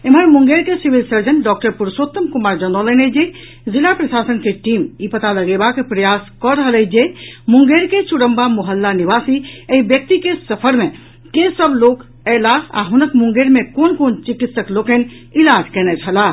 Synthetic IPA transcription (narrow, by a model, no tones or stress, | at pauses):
eməɾmũŋɡeɾkesiʋilsəɾd͡ʒənɖɔk̚ʈəɾpuɾsot̪ːəmkumaɾd͡ʒənd̪ɔləned͡ʒe | zilapɾəsasənkeʈimipət̪aləɡebakepɾəjaskɔɾəɦəled͡ʒemũŋɡeɾket͡ʃuɽəmbamoɦəlːaniʋasieɦibjək̚t̪ikesəpʰəɾmẽ | kẽsəblok | ɛlaa̰ɦunəkmũŋɡeɾmẽkonkont͡ʃikit̪səklokenilad͡ʒʱkɛnɛt͡ʃʰɦəla